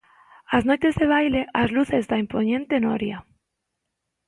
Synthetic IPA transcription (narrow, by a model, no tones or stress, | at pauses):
aznojt̪ezðeβ̞ajleʔazluθezðaimpoɲẽnt̪enoɾja